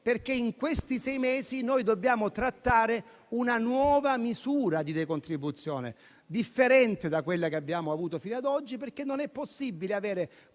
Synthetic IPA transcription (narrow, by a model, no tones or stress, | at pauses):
perk̟eiŋkwest̪isɛjmɛːzinojd̪obːjaːmot̪ɾat̪ːaːɾe | unanwɔːvamizuːɾad̪id̪ekont̪ɾibːut̪sːjɔːnḛ | d̪ifːeɾɛnt̪ed̪akwelːakeabːjaːmoavuːt̪ofiːnad̪ɔd͡ʒːiperkːenːonɛpːosːibileavɛːɾe